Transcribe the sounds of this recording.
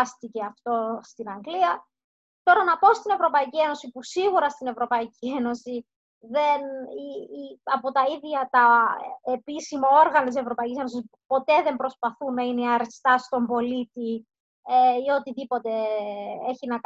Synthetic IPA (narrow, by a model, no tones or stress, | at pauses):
st̪ice̞ɐft̪o̞st̪inɐŋɡliɐ | t̪o̞ɾɐnɐpo̞st̪ine̞vɾo̞pɐicie̞no̞sipusiɣuɾɐst̪ine̞vɾo̞pɐicie̞no̞si | ðe̞niɐpo̞t̪ɐiðʝɐt̪ɐepisimɐo̞ɾɣɐnɐt̪ise̞vɾo̞pɐicise̞no̞sis | po̞t̪e̞ðe̞mbɾo̞spɐθunɐineɐɾest̪ɐst̪o̞mbo̞lit̪i | eio̞t̪iðipo̞t̪e̞eçinɐk